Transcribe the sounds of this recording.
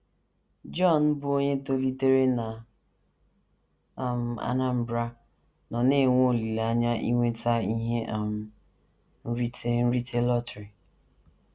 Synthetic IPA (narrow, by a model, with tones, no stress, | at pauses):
d͡ʒɔ˦˨n̩˦bʊ˦o˦ɲe˦to˦li˦te˦ɾe˦na˨ | m̩˨a̰˦˨na˦m̩˨bɾa˦ | nɔ˨ne˦˨ŋʷ˦o˦˨li˨la˦ɲa˦ʔi˦ŋʷe˦ta˦i˦ɦe˦ʔa˨m̩˨ | n̩˦ɾi˦te˦n̩˦ɾi˦tʰe˦lɔ˦tɾi˨